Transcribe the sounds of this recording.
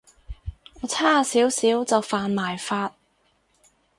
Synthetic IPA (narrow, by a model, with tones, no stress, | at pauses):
ɔː˨˧t͡sʰaː˥˨siː˨˥wsiː˨˥wt͡sɐ˨wfaː˨˧nmaː˨˩jfaː˧t̚